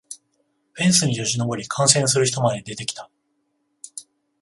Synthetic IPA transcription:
ɸẽ̞ɰ̃sɨɲ̟iʑo̞ʑino̞bo̞ɾʲikʰãɰ̃sẽ̞ɰ̃sɨɾɯ̟çi̥t̪o̞mad̪e̞id̪e̞t̪e̞kʲi̥t̪ḁ

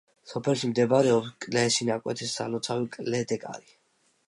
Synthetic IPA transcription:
sɔpʰɛlʃimd̪ɛbaɾɛɔpskʼlɛʃinakʼwɛ̰t̪ʰisːa̰lɔt̪sʰavikʼlɛd̪ɛkʼa̰ɾi

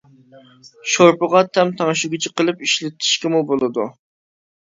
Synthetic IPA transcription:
ʃoɾpʊʁɑt̪ʰɛmt̪ʰɑŋʃuɡʲɪt͡ʃʰɛqəlˠɨpiʃlɪt̪ʰɪ̥ʃkʲɪmubolˠɨd̪ṵ

